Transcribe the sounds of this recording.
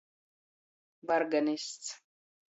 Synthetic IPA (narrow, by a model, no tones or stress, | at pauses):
baɾɡanist͡s